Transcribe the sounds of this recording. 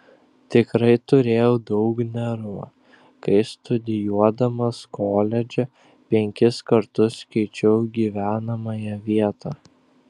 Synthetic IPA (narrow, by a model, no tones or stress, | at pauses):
t̪ʲɪkɾɐɪt̪ʊɾʲeːjɛʊd̪ɐʊknʲɛɾu | kɐɪst̪ʊd̪ʲɪjuɔd̪ɐmɐskoːlʲɛd͡ʒʲɛ | pʲɛŋʲkʲɪskɐɾt̪ʊskʲɛɪt͡ʃʲɛʊɡʲiːʋʲæːnɐmɐjɛʋʲiɛt̪ɑː